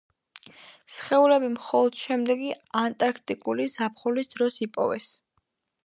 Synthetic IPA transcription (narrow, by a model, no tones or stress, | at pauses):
sχɛulɛbimχɔlˠɔd̪̥ʃɛmd̪ɛɡiant̪ʼaɾkʰt̪ʼikʼulizap̚ʰχɔlisd̪ɾɔsipʼɔ̰vɛs